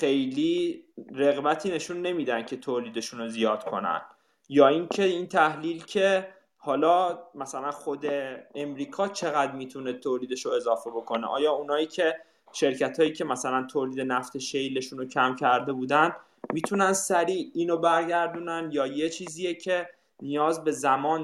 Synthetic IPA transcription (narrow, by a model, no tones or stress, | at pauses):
xe̞jliːɾe̞ɣbæt̪ʰiːne̞ʃunːe̞miːd̪æn̥cʰe̞t̪ʰoːliːd̪e̞ʃuno̞zijɒːd̪̥kʰo̞̰næ̰n | jɒːincʰe̞int̪ʰæhliːlcʲʰe̞ | hɒːlɒːmæsælænχo̞d̪e̞ːmɾiːkʰɒːt͡ʃʰe̞ɣæd̪miːt̪ʰunet̪ʰoːliːd̪e̞ʃoe̞zɒːfe̞bo̞kʰo̞neʔɒ̰ːjɒːunɒːiːcʰe̞ | ʃe̞ɾcæt̪ʰɒːjiːcʰe̞mæsælænt̪ʰoːliːd̪e̞næft̪ʰe̞ʃejle̞ʃuːnocʰæmcʰæɾd̪e̞buːd̪æn | miːt̪ʰunænsæɾiːiːnobæɾɟæɾd̪uːnænjɒːje̞t͡ʃʰiːziːjecʰe̞ | nijɒːzbe̞zæmɒːn